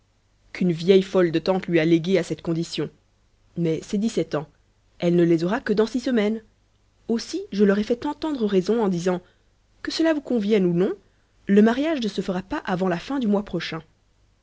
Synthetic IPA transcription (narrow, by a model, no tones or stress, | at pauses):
kʰynvjɛjfɔld̪ət̪ɑ̃t̪lɥialeɡʲeasɛt̪kɔ̃d̪isjɔ̃ | mɛsɛd̪isɛt̪ɑ̃ | ɛlnəlɛzɔʁakəd̪ɑ̃sisəmɛn | osiʒəlɔʁɛfɛt̪ɑ̃t̪ɑ̃d̪ʁəʁɛzɔ̃ɑ̃d̪izɑ̃ | kəsəlavukɔ̃vjɛnunɔ̃ | ləmaʁjaʒnəsəfəʁapaʔavɑ̃lafɛ̃d̪ymwapχɔʃɛ̃